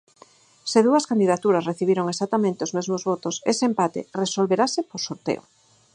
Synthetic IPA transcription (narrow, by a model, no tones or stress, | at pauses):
seðuɐskand̪iðat̪uɾasreθiβ̞iɾoŋesak̚t̪amẽnt̪eozmezmozβot̪oseseːmpat̪ḛresolβeɾasɪposoɾt̪ḛo̰